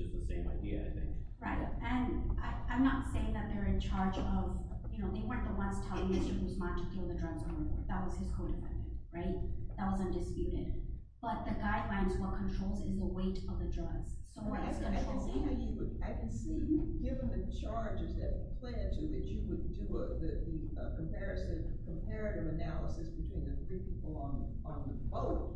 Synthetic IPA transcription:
ʌzðəsẽɪ̃ma̰ɪdiɨ̰a̰ɪθɪ̰̃ŋk | ɹaɪt̚ɨ̃naɪãɪ̃mnətseɪɪ̃ŋðɨt̪̚ðə˞ɨ̃nt͡ʃʰɑɹd͡ʒʌv̥ | jɨñoʊðeɪwɜ̃˞nðəwʌ̃nz̥tʰɛlˠɪ̃ŋmɪstə˞huwzmɑ̃tʰɨkʰɪlˠðɨdɹʌɡzəɔ̰ɹðət̚wʌz̥ɨz̥kʰoʊɾɨfã̰ɪɪ̰̃ŋɹaɪt̪̚ðət̚wʌzʌ̃ndɨspjʉɾɪ̰d̥ | b̥ʌt̪̚ðɨɡaɪdˡlãɪ̃nzwʌt̚kʰə̃ntʰɹ̥oʊlˠzɪzðəweɪɾʌvðɨdɹʌɡz̥soʊwʌkɨ̃nˠsijɨaɪkɨ̃nsiɡɪvɨ̃nðɨt͡ʃʰɑɹd͡ʒɨzðɨt̚pʰl̥æ̃ntʰəðɨt͡ʃɨwəd̚dɨðɨðɨ | ʌkə̃mpʰɛɹɨsɨ̃v̥kʰə̃mpʰɛɹɨɾɨvɨnælˠəsɨsb̥ɨtʰw̥ĩnðɨθɹipʰipl̩ˠə̃n | ə̃nðəboʊt̚

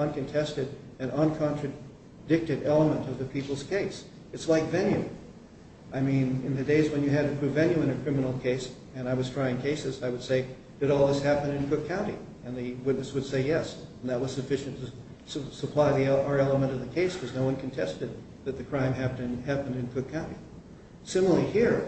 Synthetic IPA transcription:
ʌ̃nkɨ̃ntʰɛstɨɾɨ̃nʌ̃nkʰɑ̃nt͡ʃɹ̥ɨ | dɪk̚tɨɾɛlˠəmə̃ntʌvðɨpʰipl̩ˠz̥kʰeɪs | ɨtslaɪkvɛ̃njʉ | ʔaɪmĩnɨ̃nðɨdeɪzwɨ̃njɨɨd̚tɨpʰɹ̥ʉvɛ̃njʉɨ̃ñɨkʰɹ̥ɪ̃mənl̩ˠkʰeɪs | ɨ̃ñaɪwʌz̥tʰɹ̥aɪɪ̃ŋkʰeɪsɨzaɪwɨd̥seɪ | d̥ɨɾɔlˠðɪshæpɨ̃nɨ̃nkʰʊkʰːãʊ̃ntḭ | ɨ̃nðɨwɪtⁿnɨswɨd̥seɪjɛsn̩ðɨt̚wʌz̥sɨfɪʃɨ̃ntʰɨ | səpʰl̥aɪðiə˞ɛlˠəmə̃ɾ̃ʌvðɨkʰeɪskʰʌznoʊwʌ̃nkʰɨ̃n̩tʰɛstɨd̪̚ | ðɨt̪̚ðɨkʰɹ̥ãɪ̃mɦæpɨ̃nhæpɨ̃n̩dɨ̃nkʰʊkʰːãʊ̃ɾ̃tḭ | sɪ̃ml̩ihiɹ

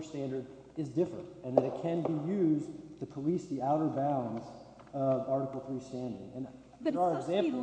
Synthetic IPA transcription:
stæ̃ndə˞ɾ | ɨzdɪfɹɨ̰̃ntɨ̃nðɨɾɨt̚kʰɨ̃nbijʉztʰɨpʰəlisðiaʊɾə˞bãʊ̃nz | ʌvɑɹɾəkl̩ˠθɹistæ̃ndɪ̰̃ŋɨ̃n | ɨɡzæ̃m

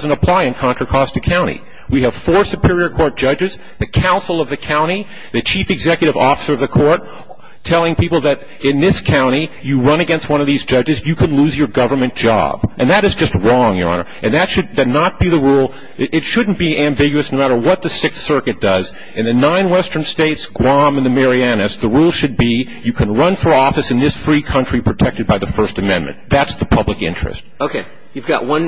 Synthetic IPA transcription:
zɨ̃nəpʰl̥aɪɨ̃nkʰɑ̃ntɹ̥əkʰɔstʰɨkʰãʊ̃ɾ̃ḭ | wiɨv̥fɔɹsɨpʰɪɹiə˞kʰɔɹt̚d̥ʒ̥ʌd͡ʒɨz | ðɨkʰãʊ̃nsl̩ˠʌvðɨkʰãʊ̃ɾ̃i | ðɨt͡ʃʰifɨɡzɛkjɨɾɨvɔfə̥sə˞ʌvðɨkʰɔɹt̚ʰ | ɛlˠɪ̃ŋpipl̩ˠðɨɾ | ɪ̃nðɪskʰãʊ̃ɾ̃i | jɨɹʌ̃ñɨɡɛ̃nst̚wʌ̃nʌvðizd͡ʒʌd͡ʒɨzjɨkʰɨ̃nluzjə˞ɡʌvə˞mɨ̃nd̥ʒ̥ɑ̰b̥ʔɨ̃nðɨɾɨzd͡ʒʌst̚ɹɔ̃ŋjə̰˞ɑ̰̃nə̰˞ʔɨ̃nðɨtʃɨd̚ðɨdⁿnət̚b̥iðɨɹulˠ | ɪtʃʊdⁿn̩b̥iæ̃mbɪɡjʉɨsnoʊmæɾə˞wʌt̪̚ðɨsɪkθsɜ˞kɨt̚d̥ʌz | ɨ̃nðɨnãɪ̃nwɛstə̃˞nsteɪtsɡ̥wɑ̃m̃nðɨmɛɹiænɨsðəɹulˠʃɨd̚bi | jɨkʰɨ̃nɹʌ̃nfə˞ɔfɨsɨ̃nðɪsfɹikʰʌ̃nt͡ʃɹ̥ipʰɹ̥ɨtʰɛk̚tɨd̚baɪðɨfɜ˞stɨmɛ̃nmɨ̰̃nðætsðəpʰʌblɨkɪ̰̃nt͡ʃɹ̥ɨ̰st̚oʊkʰeɪ | jʉvɡɑ̰ʔ̚wʌ̃n

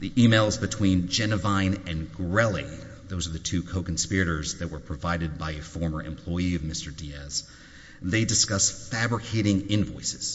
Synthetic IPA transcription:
ðiʔimeɪlˠzbɨtʰw̥ĩnd͡ʒɛnɨvãɪ̃nɨ̃nɡɹɛlˠi | ðoʊzə˞ðɨtʰʉkʰoʊkn̩spɪɹɨɾə˞zðɨt̚wə˞pʰɹ̥ɨvaɪɾɨd̚baɪɨfɔɹmə˞ʔɨ̰̃mpʰl̥ɔɪiʌvmɪstə˞diɛz̥ | ðeɪdɨskʌsfæbɹɨkʰeɪɾɪ̃ŋɪ̃nvɔɪsɨz̥

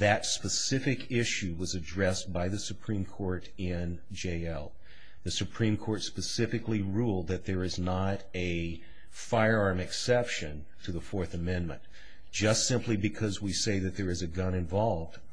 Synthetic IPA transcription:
ðɨtspɨsɪfɨkʰɪʃʉwʌzɨdɹɛsb̥aɪðɨsɨpʰɹ̥ĩmkʰɔɹɾ | ɪ̃n | d͡ʒeɪɛlˠ | ðɨsɨpʰɹ̥ĩmkʰɔɹtspɨsɪfɨkliɹulˠd̪̚ðɨt̪̚ðə˞ɨznəɾɨ | faɪə˞ɑɹmɨksɛpʃɨ̃n | tʰɨðəfɔɹθɨmɛ̃nmɨ̰̃n | d̥ʒ̥ʌstsɪ̃mplibɨkʰʌzwiseɪðɨt̪̚ðə˞ɨzɨɡʌ̃nɨ̃ɱvɑlˠvd̥

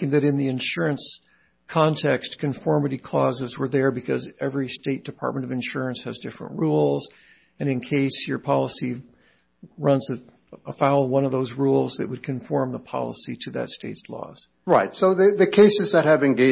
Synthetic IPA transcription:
ɪ̃ŋðɨɾɨ̃nðiɨ̃nʃʊɹɨ̃ns | kʰɑ̃ntʰɛkskʰɨ̃ɱfɔɹmɨɾikʰl̥ɔ̰zɨzwə˞ðə˞bɨkʰʌzɛvɹisteɪt̚d̥ɨpʰɑ̰ɹt̚mɨ̃ɾ̃ʌvɨ̃nʃʊɹɨ̃nshɨzdɪfɹə̰̃nʔɹulˠz | ɨ̃nɨ̃nkʰeɪshə˞pʰɑlˠəsi | ɹʌ̃nzɨ | əfaʊlˠwʌ̃ñʌvðoʊzɹulˠzðɨʔ̚wɨd̚kʰɨ̃ɱfɔɹmðəpʰɑ̰lˠə̰siɾɨðɨ̰tsteɪtslɔ̰z̥ | ɹaɪtsoʊðɨðɨkʰeɪsɨzðɨt̚hɨvɨ̃nɡeɪ

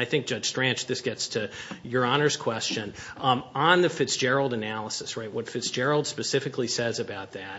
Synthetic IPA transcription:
aɪθɪ̃ŋk̚d̥ʒ̥ʌd̥ʒ̥stɹ̥æ̃nt͡ʃðɪsɡ̥ɛtstʰɨjə˞ɑnə˞z̥kʰw̥ɛst͡ʃɨ̃n | ə̃nðɨfɪtsd̥ʒ̥ɛɹl̩ˠdɨnælˠəsɨsɹaɪt̚wʌtfɪtsd̥ʒ̥ɛɹl̩ˠd̥spɨsɪfɨklisɛzɨbaʊt̪̚ðæt̚

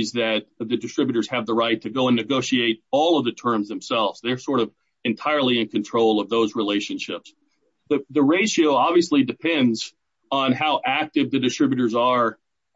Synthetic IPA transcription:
zðɨt̪̚ðɨdɨstɹ̥ɪbjɨɾə˞z̥ɨvðəɹaɪtʰɨɡoʊə̃nɨɡoʊʃieɪɾɔlˠʌvðɨtʰɜ̃˞mzðɨ̃m̩sɛlˠvz̥ðə˞sɔɹɾʌv | ɨ̃ntʰaɪə˞lˠiɨ̃nkʰɨ̃ntʰɹ̥oʊlˠʌvðoʊzɹileɪʃɨ̃nʃɪps | ðɨðɨɹeɪʃioʊɑbviɨslidɨpʰɛ̃ndz | n̩haʊʔæk̚tɨvðɨdɨstɹ̥ɪbjɨɾə˞zə˞

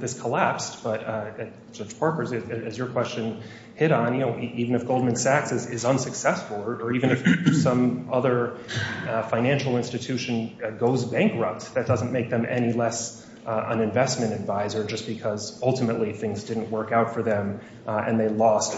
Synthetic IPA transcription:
ðɪskʰəlæpstb̥ʌɾ | sʌpʰɔɹkə˞zɨɨɨzjə˞kʰw̥ɛst͡ʃɨ̃n | hɪɾn̩jɨnoʊʔivɨ̃nɨfɡ̥oʊlˠd̚mɨ̃nsæksɨzɪzʌ̃nsɨksɛsfl̩ˠə˞ivɨ̃nɨfsʌ̃mʌðə˞ | fãɪ̃næ̃nʃl̩ˠɪ̃nstɨtʰʉʃɨ̃nɡoʊzbæ̃ŋkɹʌp̚tsðɨt̚d̥ʌz̃n̩meɪk̚ðɨ̃mʔɛ̰ñilɛs | ə̃nɨ̃ɱvɛsmɨ̃ɾ̃ɨdvaɪzə˞d͡ʒʌsb̥ɨkʰʌzʌlˠtəmɨʔˡliθɪ̃ŋzdɪdⁿn̩ʔwɜ˞kaʊtfə˞ðɨ̃m | ɨ̰̃nðeɪlɔst

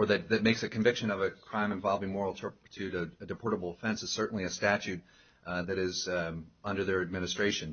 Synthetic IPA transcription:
ə˞ðɨt̪̚ðɨt̚meɪksɨkʰɨ̃ɱvɪkʃɨ̃nʌvɨkʰɹ̥ãɪ̃mɨ̃ɱvɑlˠvɪ̃ŋmɔɹl̩ˠtʰɜ˞pə̥tʰʉɾɨɨdɨpʰɔɹɾəbl̩ˠəfɛ̃nsɨz̥sɜ˞ʔn̩liɨstæt͡ʃʉt̪̚ | ðɨɾɪzʌ̃ndə˞ðə˞ɨd̚mɪ̃nɨstɹ̥eɪʃɨ̃n

